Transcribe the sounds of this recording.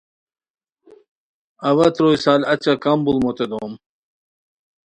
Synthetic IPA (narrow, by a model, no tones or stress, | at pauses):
ɐwɐt̪ɾojsaːlɐt͡ɕakɐmbulmot̪ed̪om